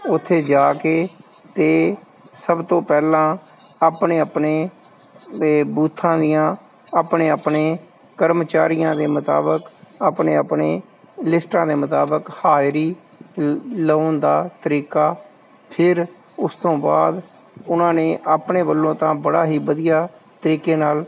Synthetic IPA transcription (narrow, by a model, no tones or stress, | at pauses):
ʊt̪ʰːeːd͡ʒaːkeː | t̪eː | səbt̪õːpɛːlãː | aːpneːəpneː | buːt̪ʰːãːd̪ijãː | aːpneːaːpneː | kəɾmət͡ʃaːɾɪjãːd̪eːmət̪a̰ːbəkaːpɳeːapɳeː | lɪsʈãːd̪eːmət̪aːbəkhaːjɾiː | ləːnd̪aːt̪əɾiːkaː | pʰɪɾ | ʊst̪õːba̰ːd̪ | ʊnãːnẽːʔaːpɳeːbəlːõːt̪ãːbəɽaːɦiːbəd̪ijaːt̪əɾiːkeːnaːl